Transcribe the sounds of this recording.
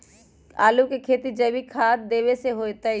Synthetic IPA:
aːlukekʰeːt̪id͡ʒəʋikʰaːd̪d̪eːʋeseɦoːjt̪ə

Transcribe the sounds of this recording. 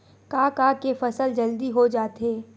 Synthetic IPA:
kaːkakefɐsəld͡ʒɐld̪iɦod͡ʒaːt̪eː

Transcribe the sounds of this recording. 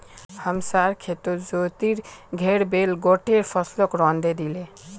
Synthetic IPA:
həmsaɾkʰet̪oɾd͡ʒot̪iɾɡʱeɽbelɡoʈeɾpʰəslokɾɔnd̪ed̪ile

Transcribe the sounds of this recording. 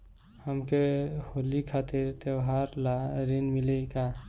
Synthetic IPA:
həmkehoːlikʰaːt̪ɪɾt̪jəwɦaɾlaɾinmɪleka

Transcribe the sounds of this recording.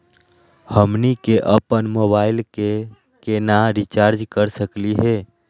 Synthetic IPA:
həmnikeʔəpənmobailke | kenaɾit͡ʃaɾd͡ʒkəɾsəkliɦe

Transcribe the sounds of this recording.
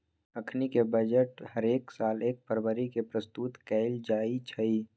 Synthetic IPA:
əkʰnikebəd͡ʒəʈhəɾeːksaːleːk̚pəɾbəɾikepɾəst̪uːt̪kɛːɪld͡ʒaːit͡ʃʰɐiː

